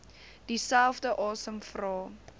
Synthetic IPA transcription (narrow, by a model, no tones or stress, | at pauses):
d̥isælˠfdəʔɑːsəmfrɑː